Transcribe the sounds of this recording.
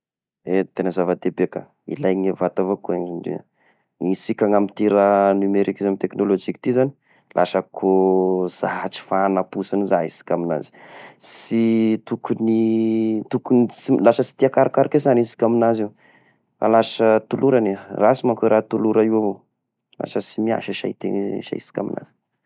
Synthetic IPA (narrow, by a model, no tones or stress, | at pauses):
et̪enəzavad̪ebeka̰ | ḭlajŋevat̪avokueŋnɖ͡ʐḭ | ŋisikʲaŋamit̪iɾənymeɾikizamit̪eknolod͡ʒiki̥t̪izani̥ | lʔa̰ʃəkʰoz̥aɦat͡si̥fanapusanuzaɦisi̥kʲamina̰zi̥sit̪ukunit̪ukunsilasəsi̥t̪iakaɾakaɾakezansi̥kʲaminaziw | ra̰lasət̪uluɾanerasimakoɾat̪uluɾaiwavo | la̰səsimia̰ʃəʃa̰it̪ḛŋʃa̰isi̥kʲa̰mḭna̰z̥i̥